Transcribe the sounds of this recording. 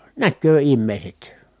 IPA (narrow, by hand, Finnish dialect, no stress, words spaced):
nækːøː imːeˑi̯set